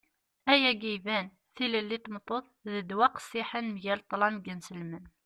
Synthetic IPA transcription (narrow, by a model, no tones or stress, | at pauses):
æjæɡivæn | θiləlːit̪mt̪ˤːoθˤ | ðəd̪wæqə̥sːiħənmʝælt̪ˤːlɑmɡənsəlmən